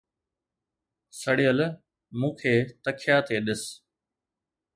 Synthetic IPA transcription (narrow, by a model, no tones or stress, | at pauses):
səɽijəl | mũːkʰeːt̪əkʰɪjaːt̪eːɗɪs